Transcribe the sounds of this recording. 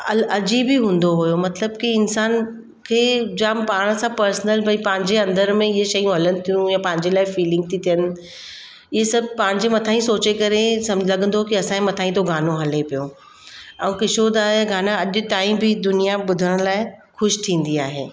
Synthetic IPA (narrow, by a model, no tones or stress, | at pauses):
ɐɐd͡ʑibʱiɦũːn̆d̪oɦʊjomɐt̪ləb̚kiɪnsaːn | kʰeːd͡ʑampaːɽ̃sãpɐɾsnəlbʱɐipɐ̃ɦɪ̃ɲd͡ʑeɐ̃nd̪əɾmẽɪɦeʃɐjũɦɐlənɪ̆t̪ʰijũjãpɐ̃ɦɪ̃ɲd͡ʑelaːɪfiːlɪ̃ŋɡ̚t̪ʰit̪ʰijənɪ̆ | ɪɦesɐbʱpɐ̃ɦɪ̃ɲd͡ʑemɐt̪ʰaːĩsoːt͡ɕekɐɾesɐ̃mlɐɡʱə̃nd̪okiɐsãːimɐt̪ʰaːɦĩt̪oɡʱaːnoɦɐlepijo | ɛ̃ũkɪʃod̪aːɦeɡʱaːnãɐʄʊʈaːĩmbʱid̪ʊnijabʊd̪ʱəɽ̃ʊlaːɪxʊʃt̪ʰĩːn̆d̪iaːɦḛː